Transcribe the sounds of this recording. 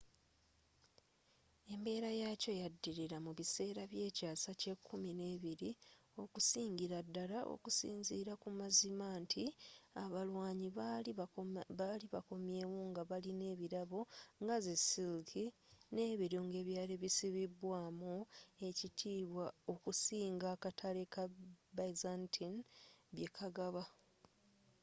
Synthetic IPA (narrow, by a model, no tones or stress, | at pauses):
e̞mbe̞ːɾajaco̞jadːiɾiɾamuβise̞ːɾaβje̞ːcaːsace̞kʰːumine̞ːβiɾio̞kusiːɲɟiɾadːalaʔo̰kusḭːnziːɾakumazimaːntʰiaβalwaːɲi | aliβako̞mje̞ːwuːŋɡaβaline̞ːβiɾaβo̞ŋɡazesilkʰine̞ːβiɾoːŋɡe̞βjaːɾeβisiβiβwaːmue̞citʰiːβwao̞kusiːŋɡaːkatʰalekabazantʰinβje̞kʰaɡaβa